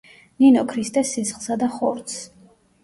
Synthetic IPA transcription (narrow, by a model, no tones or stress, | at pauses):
ninɔkʰɾist̪ʼɛsːisχlˠsad̪aχɔɾt̪s